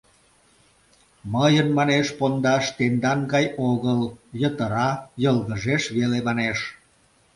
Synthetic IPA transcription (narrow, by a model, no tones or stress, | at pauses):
məjənmɑneʃpond̪ɑʃt̪end̪ɑnɡɑjoɣəljət̪əɾɑjəlɣəʒeʃβelemɑneʃ